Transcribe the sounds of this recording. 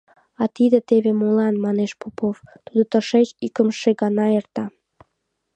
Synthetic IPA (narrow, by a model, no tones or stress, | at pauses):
ɑt̪id̪ĕt̪eβemolɑnmɑneʃpopoft̪ud̪ŏt̪əʃet͡ɕikəmʃeɡɑnɑert̪ɑ